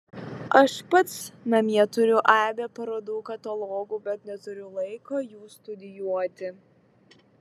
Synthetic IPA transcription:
ɐʃpɐt̪snɐmʲiɛt̪ʊɾʲʊʔæːbʲeːpɐɾoːd̪uːkɐt̪ɐlˠɔːɡuːbʲɛt̪nʲɛt̪ʊɾʲʊlˠɐɪkoːjuːst̪ʊd̪ʲɪjuɔt̪ʲɪ

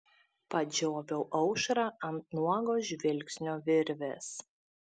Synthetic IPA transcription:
pɐd͡ʒʲoːʋʲɛʊʔɐʊʃɾɑɐnt̪̚nuɔɡoːʒʲʋʲɪlʲksʲnʲoːʋʲɪɾʲʋʲḛːs

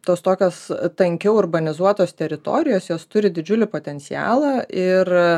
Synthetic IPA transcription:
t̪oːst̪oːkʲoːst̪ɐŋʲkʲɛʊʊrbɐnʲɪzuɔt̪oːst̪ʲɛɾʲɪt̪o̰ːɾʲɪjoːsjoːst̪ʊɾʲɪd̪ʲɪd͡ʒʲʊlʲɪpoːt̪ʲɛnʲt̪sʲɪjæ̰ːlˠɑːʔɪr

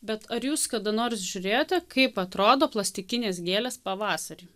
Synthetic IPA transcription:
bʲɛt̪ɐɾjuːskɐd̪ɐnoːɾsʒʲʊɾʲeːjoːt̪ʲɛkɐɪpɐt̪ɾoːd̪oːplˠɐsʲt̪ʲɪkʲɪnʲeːsɡʲeːlʲeːspɐʋɑːsɐɾʲiː

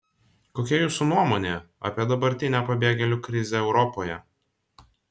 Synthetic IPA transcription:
koːkʲɛjuːsunuɔmoːnʲeːɐ̰pʲiɛd̪ɐbɐɾʲt̪ʲɪnʲɛpɐbʲeːɡʲɛlʲuːkɾʲɪzʲeɛʊɾɔpoːjɛ

